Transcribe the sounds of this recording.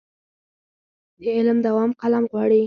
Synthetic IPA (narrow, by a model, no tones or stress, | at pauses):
d̪əɪlmd̪awɑmqalamɣwɑɽi